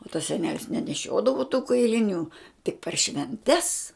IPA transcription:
oː tɐs sʲɛˈnʲæːlʲɪs nʲɛnʲɛˈʃʲoːdɐʋʊ tuː kɐɪlʲɪˈnʲuː tʲɪk pʲɛr ʃʲʋʲɛnʲˈtʲɛs

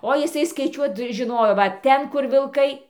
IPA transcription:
oː jɪˈsɐɪ skɐɪˈt͡ʃʲuɔt ʒʲɪˈnoːjoː ʋɐ ˈtʲɛn ˈkʊr ʋʲɪlˠˈkɐɪ

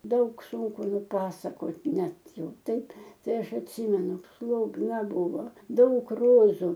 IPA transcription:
ˈdɐʊk ˈsuːŋkʊ nʊˈpɑːsɐkoːt ˈnʲɛt ˈjɛʊ ˈtɐɪp ˈtɐɪ ˈɐʃ ɐtʲˈsʲiːmʲɛnʊ slˠoːbˈnɐ ˈbuːʋoː ˈdɐʊk ˈroːzʊ

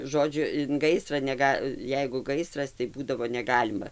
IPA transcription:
ˈʒoːd͡ʒʲʊ ɪn ˈɡɐɪsrɐ nʲɛˈɡɐ ˈjɛɪɡʊ ˈɡɐɪsrɐs tɐɪ ˈbuːdɐʋoː nʲɛˈɡɑːlʲɪmɐ

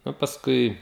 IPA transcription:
nʊ pɐsˈkʊɪ

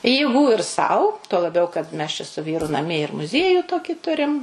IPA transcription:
jeːˈɡuː ɪr ˈsɐʊ tuɔ lˠɐˈbʲɛʊ kɐt ˈmʲɛs t͡ʃʲɛ sʊ ˈʋʲiːrʊ nɐˈmʲiɛ ɪr mʊˈzʲiɛjuː ˈtoːkʲiː ˈtʊrʲɪm

